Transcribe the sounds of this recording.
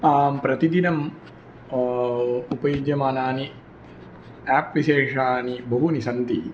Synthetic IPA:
aːmpɾɐt̪id̪inɐm | upɐjud͡ʒjɐmaːnaːni | aːpʋiʃeːʂaːnibɐɦunisɐnt̪i

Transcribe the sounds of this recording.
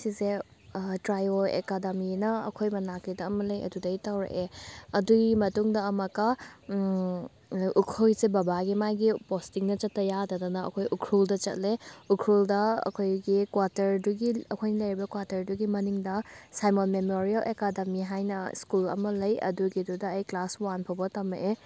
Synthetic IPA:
sise | tɾajoḛkademinɐɐ̰kʰojmɐnakidɐːmɐlɐjɐ̰dudɐitawɾɐ̰ʔeɐduɡimɐtuŋdɐːmɐka | ukʰujsebɐbaɡimajɡipostiŋnɐt͡ʃɐtːɐjadɐdɐnɐɐ̰kʰojʔukʰɾuldɐt͡ʃɐ̰t̚leukʰɾuldɐɐ̰kʰojɡikwaɾtɐɾduɡiɐkʰojnɐlɐjɾibɐkwaɾtɐɾduɡimɐniŋdɐsajmonmemoɾialʔekademiɦajnɐ̰skulɐ̰mɐlɐjɐ̰duɡidudɐːjklaswanpʰobɐtɐmeʔe

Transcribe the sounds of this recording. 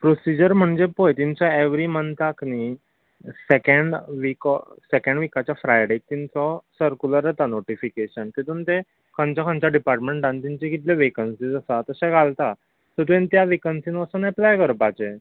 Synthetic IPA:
pɾosid͡ʑəɾm̤əɳd͡zepojt̪iɲt͡ɕaeʋɾimənt̪akni | sekeɳɖʋiksekẽɳɖʋikat͡ɕjafɾajɖek̚t̪int͡sɔsəɾkuləɾet̪anoʈifikeɕənt̪it̪unt̪e | kʰə̃nt͡ɕakʰə̃nt͡ɕaɖipaɾʈmẽɳʈɖãnt̪ĩɲt͡ɕikit̪leʋekənsiːd͡zəsat̪əsẽɡʱalt̪a | t̪əɾt̪uẽnt̪jaʋikənsĩnəsənɛplajkəɾpat͡ɕe

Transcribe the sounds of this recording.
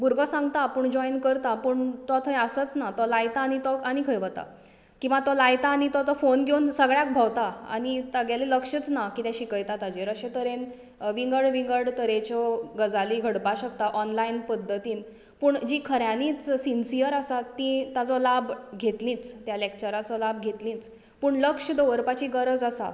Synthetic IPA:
buɾɡɔsãŋɡt̪apəɳd͡ʑɔinkəɾt̪apuɳt̪ɔt̪ʰəjəsət͡snat̪ɔlajt̪aːñit̪ɔañikʰəjʋət̪a̰ | kĩw̃ʋat̪ɔlajt̪aːɽ̃it̪ɔt̪ɔfonɡʱewnsəɡɭjak̚bʱawt̪aa̰ɽ̃it̪aɡjaleləkʂət͡snakit̪ɛ̃ɕikəjt̪at̪ad͡ʑeɾəɕet̪əɾen | ʋiŋɡəɽʋiŋɡəɽt̪əɾẽt͡ɕɔɡəd͡zaliːɡʱəɽpaɕək̚t̪aʔɔnlainpəd̪ʱːət̪iːn | puːɳd͡ʑiːkʰəɾjãniːt͡ssinsijəɾasat̪ːĩt̪ad͡zɔlabɡʱet̪lĩːt͡st̪jalekt͡ɕəɾat͡sɔlab̚ɡʱet̪lĩːt͡s | puːɳləkʂəd̪oʋəɾpat͡ɕiːɡəɾəd͡zasa̰

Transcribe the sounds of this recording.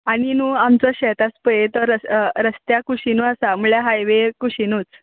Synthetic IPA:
aɽ̃inũːamt͡sɔɕɛt̪aspəjet̪ɔɾəɾəst̪jakuɕinuasamuɭjaɦajʋekuɕinut͡s

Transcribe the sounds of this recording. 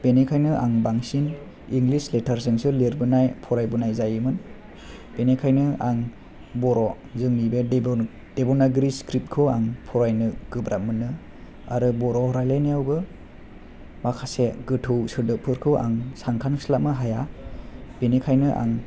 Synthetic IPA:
b̥enekʰajnɯʔaŋbaŋsin | iŋɡlisletʰaɾsɯŋsɯleɾbɯnajpʰɔɾajbɯnajzajɯmɯn | b̥enekʰajnɯaŋ | bɔɾɔ | zɯŋnibe | d̥ebɔnaɡɾiskɾip̚t̚kʰɯaŋpʰɔɾajnɯɡ̥ɯbɾʔamɯnɯ | a̰ɾɯbɔɾɔhɔɾajlajnijawɡɯ | makʰaseɡɯtʰɯwsɯɾdɯpʰɯɾkʰɯa̰ŋsaŋkʰanslamɯɦaja | b̥enekʰajnɯʔa̰ŋ

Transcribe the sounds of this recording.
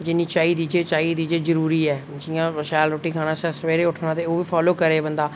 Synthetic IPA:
d͡ʒɪnːiːt͡ʃaːiːd̪iːd͡ʒeːt͡ʃaːiːd̪iːd͡ʒeːzəɾuːɾiːɛːd͡ʒɪjãːʃɛːlɾoːʈiːkʰaːɽ̃aːsɛsʋeːɾeːʊʈʰnãːt̪eːoːʋiːpʰɔːloːkəɾeːbənd̪aː

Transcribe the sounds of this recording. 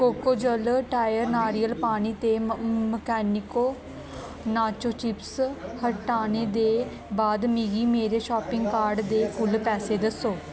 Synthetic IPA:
koːkoːd͡ʒəlʈaːjəɾnaːɾiːəlpaːniːt̪eːməkɛːnɪkoː | naːt͡ʃoːt͡ʃɪpshəʈaːneːd̪eː | baːd̪miɡiːmeːɾeːʃɔːpɪ̃ŋɡkaːɾɖd̪eːkʊlpɛːseːd̪əsoː

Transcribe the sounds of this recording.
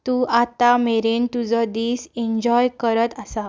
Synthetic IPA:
t̪uːʔat̪ameɾent̪ud͡zɔd̪iːseɲd͡ʑɔjkəɾət̪asa

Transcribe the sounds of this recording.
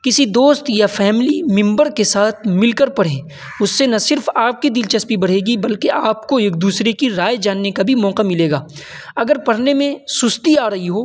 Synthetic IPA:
kɪsid̪oːst̪jafɛːmlimɪ̃mbəɾkesaːt̪ʰmɪlkəɾpɐɽ̤ẽː | ʊsːenɐsɪɾfaːp̚kid̪ɪlt͡ʃɐspibɐɽ̤eːɡibɐlkeʔaːpkoeːk̚d̪uːsɾekiɾaːjd͡ʒaːnːekabʱimɔːqamɪleːɡaː | ɐɡəɾpɐɽ̤nemẽsʊst̪iaːɾɐɦiɦoː

